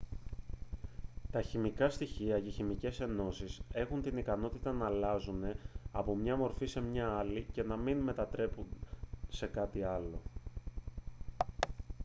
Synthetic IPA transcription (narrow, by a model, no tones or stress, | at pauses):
t̪ɐçimikɐst̪içiɐce̞çimice̞se̞no̞sise̞xunt̪inikɐno̞t̪it̪ɐnɐːlɐzune̞ɐpo̞mɲɐmo̞ɾfise̞mɲɐɐlice̞nɐminme̞t̪ɐt̪ɾe̞punse̞kɐt̪iɐlo̞